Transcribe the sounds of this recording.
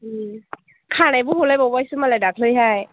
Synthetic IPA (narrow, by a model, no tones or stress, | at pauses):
ɯ | kʰanajbuɦolajbɔwajsɯmalajdak̚lɯjɦaj